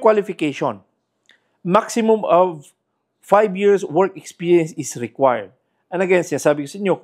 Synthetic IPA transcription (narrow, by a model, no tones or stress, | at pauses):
kwalɪfɪkeʃõn | maksɪmʊmɔv | fajbjiɹswɛɹkɛkspiːɹjɛ̃nsɪsɹɪkwajə̰ɹd̪̚ | ʔɐ̃nɐɡɛãnsɪnaːsaːbɪkosɐɪɲɲo